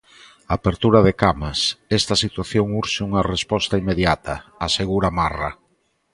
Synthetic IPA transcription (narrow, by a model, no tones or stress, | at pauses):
aːpeɾt̪uɾɐðekamasɛst̪ɐsit̪waθjoŋuɾʃɪuŋɐrespɔst̪ɐimeðjat̪ʰɐːseɣuɾamara